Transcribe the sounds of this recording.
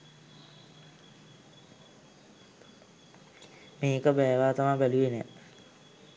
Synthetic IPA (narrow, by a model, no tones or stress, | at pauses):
meːkəbɛːʋaːt̪amabæluenɛ̰